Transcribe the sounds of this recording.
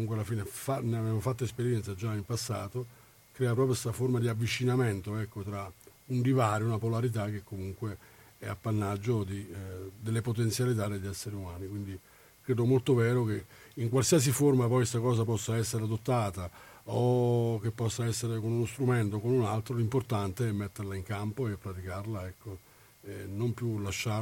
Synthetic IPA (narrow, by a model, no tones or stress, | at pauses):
muŋkwealːafiːnefaneavɛːmofat̪ːoespeɾjɛnt̪sad͡ʒaimpasːa̰ːt̪o | kɾɛːapɾɔːpɾjost̪aformad̪iavːit͡ʃinamɛnt̪oɛkːot̪ɾaundivaːɾiunapolaɾit̪̬ak̟ekːomuŋkweɛ̰a̰pːanːad͡ʒːod̪id̪elːepot̪̬ent̪sjalit̪̬ad̪eʎːiɛsːeɾeumaːnikwind̪i | kɾeːd̪omolt̪ovɛːɾok̟eiŋk̬walsias̬iformapɔjst̪akɔːs̬ap̬ɔsːaɛsːeɾead̪ot̪ːaːt̪aok̟epːɔsːaɛsːeɾekonunost̪ɾument̪okonunalt̪ɾolimport̪ant̪eɛmːɛt̪ːerlaiŋkampoepːɾat̪ikarlaɛkːo | enːompjulaʃːa